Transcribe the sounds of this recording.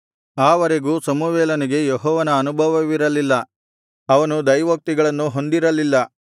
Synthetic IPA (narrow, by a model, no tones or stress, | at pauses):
aːʋɐɾe̞ɡuːsɐmuʋɛːlɐniɡe̞jeɦɔːʋɐnɐːnubʱɐʋɐʋiɾɐlilːɐ | ɐʋɐnud̪ɐjʋɐk̚t̪iɡɐɭɐnːuɦo̞nd̪iɾɐlilːɐ